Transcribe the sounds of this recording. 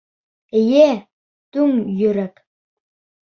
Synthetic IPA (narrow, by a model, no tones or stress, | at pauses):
ɘ̆jæ | t̪ʉŋjɵ̆ɾæk